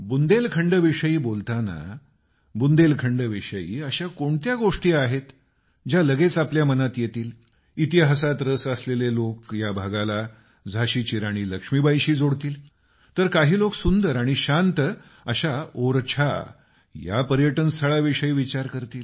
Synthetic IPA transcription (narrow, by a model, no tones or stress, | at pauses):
bund̪elkʰəɳɖəʋiʂəiːbolt̪ana̰ | bund̪elkʰəɳɖəʋiʂəḭːəɕakoɳt̪jaɡoʂʈiːaɦet̪ | d͡ʑjaləɡet͡sapljamənat̪jet̪iːl | it̪iɦasat̪ɾəsəslelelokjabʱaɡala | d͡zʱaɕiːt͡ɕiɾaɽ̃iːləkʂmiːbʱajɕiːd͡zoɽt̪iːl | t̪əɾkaɦiːloksund̪əɾaɽ̃iɕant̪ə | əɕaoɾt͡ɕʰa̰ | ja̰pəɾjəʈənst̪ʰəɭaʋiʂəiːʋit͡ɕaɾkəɾt̪iːl